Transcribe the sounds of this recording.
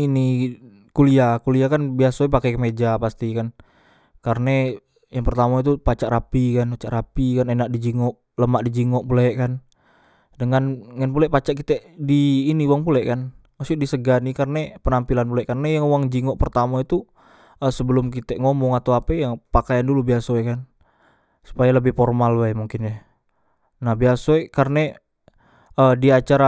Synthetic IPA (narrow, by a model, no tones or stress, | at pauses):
ini | kuliakuliakanbiasapakakəmed͡ʒapast̪ikan | karne | jaŋpərt̪amait̪upat͡ʃaʔɾapikanpat͡ʃaʔɾapikanenaʔdid͡ʒiŋɔʔ | ləmaʔdid͡ʒiŋɔʔpulɛʔkan | dəŋanŋənpulɛʔpat͡ʃaʔkit̪ɛʔdiːnibɔŋpulɛʔkan | masuʔdisəɡanikarnɛpənampilanpulɛʔkarnajaŋwaŋd͡ʒiŋɔʔpərt̪amait̪u | əsəbəlʊmk̬it̪ɛʔŋomɔŋat̪awapɛjaŋpakajandulubiasoɛkan | su̥pajaləbɪhfɔrmalbajmuŋkɪnja | nahbiasoɛʔkarne | ədiat͡ʃaɾa